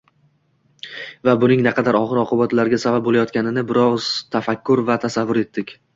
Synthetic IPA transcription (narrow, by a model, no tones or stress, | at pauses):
vabʊnɪŋnɪqʰɑd̪aɾɒχɨɾɒqʰɨbat̪laɾɡʲasabap̚bolajɒt̪kʲanɪnɪbɪɾɒz̥t̪ʰafakʲʰːʊɾvat̪ʰasavːʊɾe̞t̪ʰːɪkʲ